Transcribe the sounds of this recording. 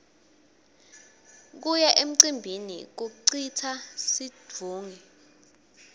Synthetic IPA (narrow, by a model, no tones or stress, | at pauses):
k̬ujaʔem̩ǀimbʱinḭk̬uǀitʰasid͡v̥ʱuːŋi